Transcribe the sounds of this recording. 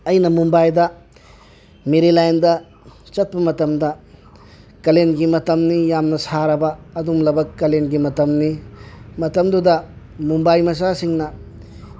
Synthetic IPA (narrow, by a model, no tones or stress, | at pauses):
ɐjnɐmumbajdɐ | meɾilajndɐ | t͡ʃɐt̚pɐmɐtɐmdɐ | kɐlenɡimɐtɐmnijamnɐsaɾɐbɐːdumlɐbɐkːɐlenɡimɐtɐmnimɐtɐmdudɐ | mumbajmɐs̬asiŋnɐ